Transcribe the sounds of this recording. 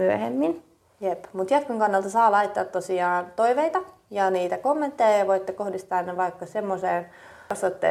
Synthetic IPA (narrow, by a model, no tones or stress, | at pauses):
myøhemːin | jepmut̪jɑt̪koŋkɑnːelt̪ɑsɑːlɑit̪ːɑːt̪tosiɑːnt̪oiʋeit̪ɑ | jɑniːt̪ækomːent̪ːejɑjɑʋoit̪ːekohdist̪ɑːnneʋɑikːɑsemːoseːn | ɑsʋɑt̪ːḛ